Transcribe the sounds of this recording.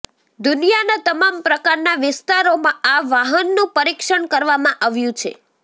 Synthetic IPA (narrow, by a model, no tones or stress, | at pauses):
d̪unijanat̪əmampɾəkaɾnaʋɪst̪aɾomãaʋaɦənːũpəɾikʃəɳkəɾʋamãʔaʋjũt͡ʃʰḛ